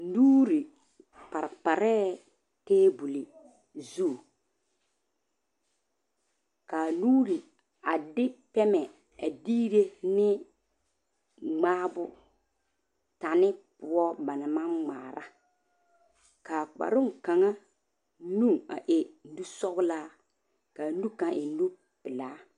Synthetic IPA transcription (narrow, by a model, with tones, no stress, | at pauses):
duː˦ɾi˨ | pa˨ɾpa˨ɾɛː˦ | teː˦bu˨li˨ | zuː˦˨ | ka˨nuː˦ɾi˨ | a˨dɪ˦pɛ˦mɛ˨ | a˨diː˦ɾe˦nɪ˦ | ŋ͡maː˦bʊ˦ | ta˨nɪ˦pʊ˦ɔ˦ba˨na˨ma˦ŋ͡maː˨ɾa̰˦ | ka˨k͡pa̰˨ɾʊ˦ŋka˨ŋa˦ | nu˦ŋa̰˨ʔɪ˨˦du˦sɔ˦ɣʊ˦laː˦ | ka˨nu˦kã˨ʔɪ˨˦nu˦ | pɪ˨laː˨˦